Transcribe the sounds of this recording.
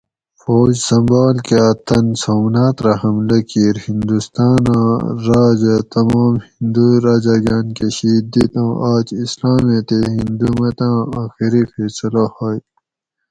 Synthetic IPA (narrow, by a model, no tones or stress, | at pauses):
foːd͡ʑsɐmbaːlkeɐt̪ɐnsoːmnaːt̪ɾɐɦɐmlɐkiːɾhind̪ust̪aːnãːɾaːd͡ʑɐt̪ɐmaːmhind̪uɾaːd͡ʑaɡaːnkeɕiːd̪it̪ɐ̃ːʔaːt͡ʃislaːmet̪eɦind̪umɐt̪ãːaːxiɾifeːsɐlahoːj